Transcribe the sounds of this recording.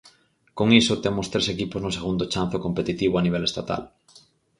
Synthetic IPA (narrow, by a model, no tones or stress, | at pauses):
koŋisot̪emost̪ɾesekipoznoseɣ̞und̪ot͡ʃan̟θokompet̪it̪iβoaniβ̞elest̪at̪a̰l